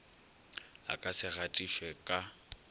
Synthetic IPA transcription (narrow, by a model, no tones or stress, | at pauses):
a̰kʼasɪɣatʼiʃwɛkʼa